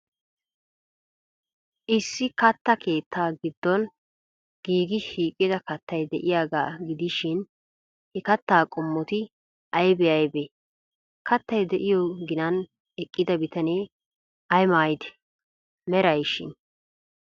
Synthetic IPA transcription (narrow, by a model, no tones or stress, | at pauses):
ʔɪsːɪkɐt̪ːɐkʰe̞ːt̪ːaːɡɪd̪ːɔn | ɡ̥iːɡɪʃiːkʼːɪd̪ɐkɐt̪ːɐjd̪ɛʔɪjaːɡa̰ːɡɪd̪ɪʃɪn | hɛkɐt̪ːaːkʼɔmːɔt̪ɪ | ʔɐjbɛɐjbe | kɐt̪ːɐjd̪ɛʔɪjɔɡɪnɐn | ɛkʼːɪd̪ɐbɪt̪ɐneː | ɐjmaːjɪd̪ɛ̥ | mɛɾɐjʃɪ̰n